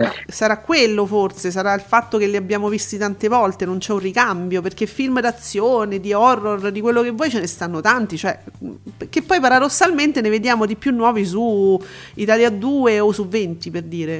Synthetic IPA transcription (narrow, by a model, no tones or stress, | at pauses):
saɾakːwelːoforses̬aɾailfat̪ːokeliabːjaːmovist̪it̪ant̪evɔlt̪enont͡ʃɛurrikambjoperkefilmd̪at̪sːjoːned̪iɔrːord̪ikwelːokevːɔːjt͡ʃenest̪anːot̪ant̪it͡ʃoɛpek̟ːepːɔjpaɾad̪osːalment̪eneved̪jaːmod̪ipːjunːwɔːvis̬u | it̪aljad̪uːeosuvːent̪iperd̪iːɾe